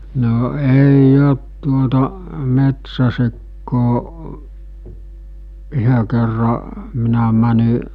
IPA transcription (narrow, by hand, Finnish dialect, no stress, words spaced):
no eij ot tuotɑ metsæsikːoː yhø kerːɑ minæ mæni